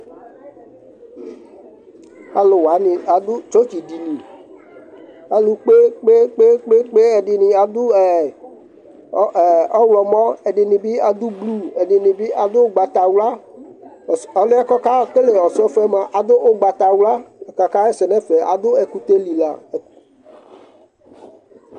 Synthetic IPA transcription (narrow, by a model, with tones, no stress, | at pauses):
a˨lo˨wa˨˦nĩ˨a˨d̪ʊ˦t͡ʃo˦t͡ʃi˨di˨nĩ˨ | a˨lu˨k͡pe˦k͡pe˦k͡pe˦k͡pe˦k͡pe˦ɛ˨dɪ˨nĩ˨a˨d̪ʊ˦ɛ˨˦˨ | ɔ˦wlɔ˨mɔ̃˦e˨ɖɪ˨nĩ˨bi˦a˨d̪ʊ˦blu˦e˨dɪ˨nĩ˨bi˦ʔa˨d̪ʊ˦ɡ͡ba˨t̪a˨wla˦˨ | ɔ˨le˦a˦kɔ˦ka˦ke˦le˨ɔ˨sɔ˦fɛ˦mã˨ʔa˨d̪ʊ˦ʔo˦ɡ͡ba˨t̪a˨wla˦˨ka˨ka˦e˦sɛ˨nɛ̃˦fe˨a̰˨d̪ʊ˦e˨ku˦t̪e˦li˨la̰˨e˨k